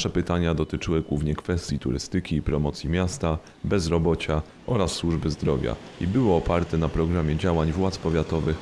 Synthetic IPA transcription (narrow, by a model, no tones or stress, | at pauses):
ʂɛpɘt̪aɲad̪ɔt̪ɘt͡ʂɘwɘɡwuvɲɛkfɛst̪ʲjit̪ṵɾɘ̰st̪ɘkʲiːpɾɔmɔt̪sʲjimʲjast̪a | bɛzɾɔbɔt͡ɕa | ʔɔɾasːwuʐbɘzd̪ɾɔvʲja̰ḭbɘwɔɔpaɾt̪ɛnapɾɔɡɾamʲjɛd͡ʑawaɲvwat̪spɔvʲjat̪ɔvɘx